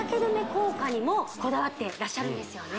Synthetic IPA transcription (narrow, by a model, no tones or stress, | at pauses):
ake̞d̪ome̞ko̞ːkaɲ̟imo̞ko̞d̪aβat̪ːe̞ɾaɕːaɾɯ̟̃nd̪e̞sɨjo̞ne